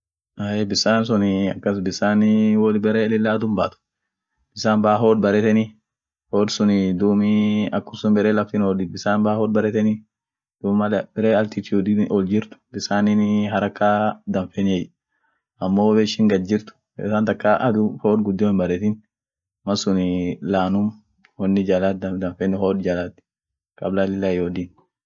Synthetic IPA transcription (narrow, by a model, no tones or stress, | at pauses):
aebɪsaːns̬ʊnɪɐ̰kːɐs̬bɪsaːnɪwɔlbɛɾeːlɪlːaːɐd̪ʊmbaːt̪ʊ̥ | b̥ɪsaːnbaːɦoːd̪̚bɐɾɛt̪ɛni | hoːd̪sʊnɪd̪uːmiɐkːʊsʊnbɛɾelɐft̪ɪnɔdɪbɪsaːnbahoːd̪bɐɾɛt̪ɛni | d̪̥uːmmɐlbɪɾeːɐlt̪it̪ud̪iʔɔld͡ʒɪɾt̪ʊ̥bɪsaːnɪnɦɐɾɐkːaːd̪ɐɱfeɛnɛj | ɐmːoːbɛʃɪŋɡɐd̪d͡ʒɪɾt̪ʊ̥ | ɛ̰saːnt̪ɐkːaʔɐd̪ʊfoːd̪ɡʊd̪ːoɪmbɐɾɛt̪ɪn | mɐsʊnɪlaːnʊm | wɔnːɪd͡ʒalat̪d̪ɐd̪ɐɱfɛnɪhoːd̪d͡ʒalaːt̪ɪ̥ | kʼɐblaːlɪlːaːjoːd̪ɪn